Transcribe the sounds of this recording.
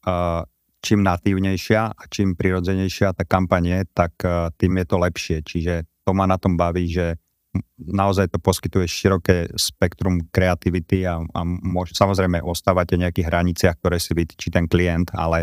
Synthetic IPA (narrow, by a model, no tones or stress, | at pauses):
t͡ʃiːmnat̪iːʊɲɛjʃɪaat͡ʃimpɾiɾɔd͡zɛɲɛjʃɪat̪aːkampaɲɪɛt̪akt̪iːmjɛt̪ɔlɛpʃɪɛt͡ʃiʒɛt̪ɔmanat̪ɔmbaʋiːʒɛ | naɔzajt̪ɔpɔskit̪ujɛʃiɾɔkɛːspɛkt̪ɾumkɾɛat̪iʋit̪iaa̰mʊɔʃsamɔzɾɛjmɛʔɔst̪aːʋacɛɲɛakiːɣɦɾaɲit͡sɪaxkt̪ɔɾɛːsiʋit̪i̥t͡ʃit̪ɛnklijɛnt̪a̰lɛ